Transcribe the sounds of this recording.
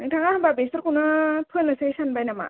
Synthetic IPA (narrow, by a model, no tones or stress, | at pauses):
naŋtʰaŋaababesɯɾkʰunapʰɯnlɯsesanbajnama̰